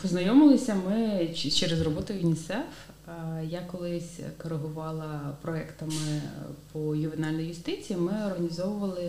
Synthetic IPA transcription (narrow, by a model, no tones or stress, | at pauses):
ʊznɐjɔmɪlˠɪsʲɐmɪt͡ʃt͡ʃɛɾezrɔbɔt̪ʊinʲisɛf | jakɔlˠɪsʲkɔɾeɦʊʋɑlˠɐpɾɔɛkt̪ɐmɪpɔjʊʋɪnɑlʲnɔjjʊst̪ɪt͡sʲijimɪɔrɦɐnʲizɔʋʊʋɐlˠɪ